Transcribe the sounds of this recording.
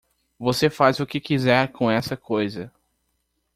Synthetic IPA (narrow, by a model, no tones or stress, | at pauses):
vosefazʊkɪkizɛɾkõɛsɐkojzɐ